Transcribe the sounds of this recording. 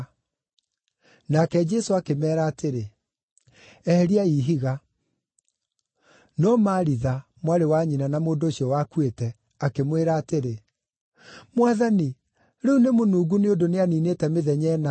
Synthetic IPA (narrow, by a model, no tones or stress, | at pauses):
nakɛd͡ʒɛsoakemɛːɾaːteɾe | ɛɾiaiːɦiɣa | nɔmaɾiða | mwaɾewaɲinanamoːndoːɕiɔwakwetɛ | akemweɾaːteɾe | mwaðani | ɾeunemonuːɡuneodoneaninetɛmeðɛɲɛːna